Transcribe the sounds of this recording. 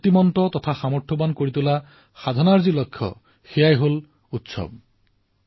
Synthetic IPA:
t̪imɔntɔt̪ɔt̪ʰaxamɔɹtʰɔbankoɹit̪ula | xad̪ʱɔnaɹzilokʰːjɔ̰ | xejajɦol | utsɔ̰b̚

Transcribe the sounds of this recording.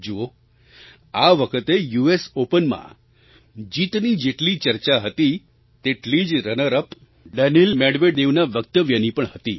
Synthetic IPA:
d͡ʒuo | aʋəkʰət̪ejuesopənmã̰ | d͡ʒit̪nid͡ʒeʈlit͡ʃəɾt͡ʃaɦət̪i | t̪eʈlid͡ʒɾənəɾəp | ɖənilmeɽʋed̪eʋnaʋək̚t̪əʋjənipəɳhət̪i

